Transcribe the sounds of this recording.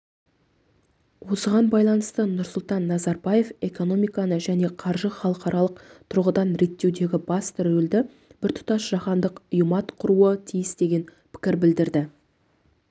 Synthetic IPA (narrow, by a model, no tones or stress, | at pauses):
wo̞səʁɑnbɑjlˠɑnəst̪ənʊɾsʊlˠt̪ɑnːɑzɑɾbɑje̞fe̞ko̞no̞mijkɑnəʒæne̞qʰɑɾʒəχɑlˠəqɑɾʔɑlˠəqt̪ʰʊɾʁəd̪ɑnɾe̞t̪ːe̞wd̪e̞ɡʲɪbɑst̪ʰʏɾɵld̪ɪ | b̥ɪɾt̪ʰʊ̥t̪ɑʃʒ̥ɑχɑnd̪əqʊjəmɑt̪qʰʊɾuət̪ʰijɪsd̪e̞ɡʲe̞n | pʰɪ̥kʲɪɾbɪld̪ɪɾd̪ɪ